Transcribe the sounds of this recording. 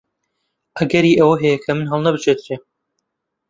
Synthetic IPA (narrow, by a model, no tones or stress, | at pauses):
ʔɐɡɐɾiːʔɐwɐɦɛjɛkʰɐmɨnɦɐlˠnɐbɨt͡ʃʰet̪ɾe